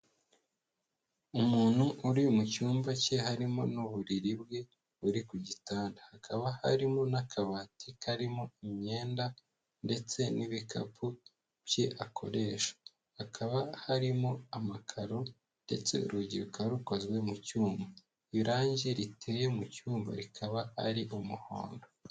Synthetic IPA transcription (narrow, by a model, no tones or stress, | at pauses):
umuːn̥huʔuɾimucuːmvace̞haɾimo̞̰nuβuɾiɾibɡe̞ | βuɾikuɟitaːndahakʰaβaha̰ɾimo̞nakʰaβaːtikʰaɾimo̞imɲe̞ːnda | nde̞t͡se̞niβikʰa̰pʰu | bjeʔakʰo̞̰ɾe̞ːʃḁ | hakʰaβahaɾimo̞amakʰaɾo | nde̞̰t͡se̞̰ṵɾuɟiɾukaɾukozwe̞mucuːmba | iɾaːɲɟeɾitʰejemucuːmba̰ɾikʰaβaa̰ɾiʔumuho̰ːndo